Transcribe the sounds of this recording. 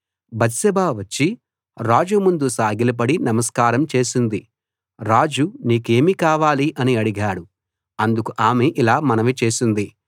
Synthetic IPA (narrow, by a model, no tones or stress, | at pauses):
bɐt̪sɐbaːʋɐt͡ʃːi | ɾaːd͡ʒumund̪usaːɡilɐp̬ɐɽinɐmɐskaːɾɐmt͡ʃe̞ːsund̪i | ɾaːd͡ʒuniːke̞ːmikaːʋaːliʔɐniɐɽiɡaːɽu | ɐnd̪ukuʔaːmeʔilaːmɐnɐʋit͡ʃe̞ːsund̪i